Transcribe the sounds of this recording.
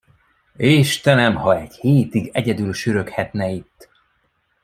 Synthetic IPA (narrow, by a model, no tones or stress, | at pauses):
eːʃt̪ɛnɛmhɒɛɟheːt̪iɡɛɟɛd̪ylʃyɾø̞khɛt̪nɛit̪ː